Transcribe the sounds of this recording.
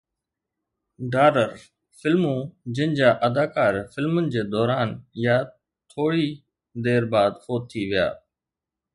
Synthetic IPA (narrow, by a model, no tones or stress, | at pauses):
ɖaːɾəɾ | fɪlmũːd͡ʑɪnɪ̆d͡ʑaːʔəd̪aːkaːɾfɪlmʊnɪ̆d͡ʑeːd̪ɔːɾaːnjaː | t̪ʰoːɽi | d̪eːɾbaːd̪xoːt̪ʰːiʋɪja̰ː